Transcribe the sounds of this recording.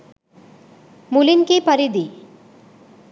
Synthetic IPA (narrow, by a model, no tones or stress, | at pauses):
mulinkepɐɾid̪i